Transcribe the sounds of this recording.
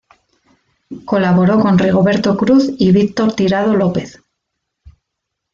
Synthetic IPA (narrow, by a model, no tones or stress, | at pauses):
ko̞laβo̞ɾo̞ko̞nriɣ̞oβe̞ɾt̪o̞kɾuθiβik̚t̪o̞ɾt̪iɾað̞o̞lo̞pe̞θ